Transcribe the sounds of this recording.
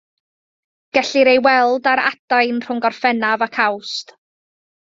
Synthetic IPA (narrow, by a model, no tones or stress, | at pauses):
ɡ̥ɛɬɪɾejwɛlˠdaɾa̰dajnr̥ʊŋɡɔrfɛnavakʰawst